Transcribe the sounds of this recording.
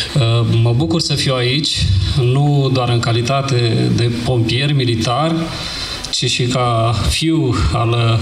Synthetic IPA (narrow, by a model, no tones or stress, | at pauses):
əməbukursəfiwait͡ʃʲnud̪oaɾɨŋkalit̪at̪e̞d̪e̞po̞mpie̞rmilit̪arʲ | t͡ʃiʃikafiwa̰l